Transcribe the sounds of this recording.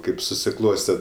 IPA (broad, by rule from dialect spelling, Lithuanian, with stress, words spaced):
ˈkɐɪp sʊsʲɪˈklˠoːsʲtʲɛ